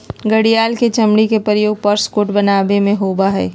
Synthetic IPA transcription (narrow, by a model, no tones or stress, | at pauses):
ɡɐɽijaːlket͡ʃɐmɽikepəɾjoːɡ̚pɐɾskoːʈbɐnaːbemẽɦoːbaɦɛ̰ː